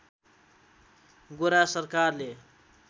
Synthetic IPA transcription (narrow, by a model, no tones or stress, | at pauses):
ɡoɾasʌrkarle